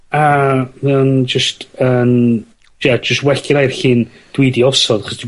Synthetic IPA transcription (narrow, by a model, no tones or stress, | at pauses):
amɛɔnd͡ʒəstən | ɛd͡ʒəstwɛɬkɪɾajrɬɨːn | d̥widiɔsɔdaχɔsd̥i